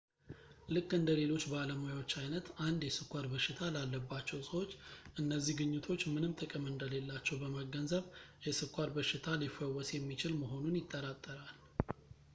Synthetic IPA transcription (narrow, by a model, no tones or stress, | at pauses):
lɨkʼːɨnd̪əle̞lo̞t͡ʃːbaləmojawo̞t͡ʃːajnət̪and̪jɛsɨkʰʼʷːaɾbəʃɪt̪ʰalalːəbːat͡ʃːɛwsʼəwo̞t͡ʃːʔɨnːəzːihɡɨɲːut̪ʰo̞t͡ʃːmɨnɨmt̪ʼɨkʼɨmɨnd̪əle̞lːat͡ʃːɛwbəməɡənzəβjɛsɨkʷʼːaɾbəʃɪt̪ʰalifəwːɔsjɛmːit͡ʃɪlməɦo̞nunjɪt̪ʼːəɾat̪ʼːəɾal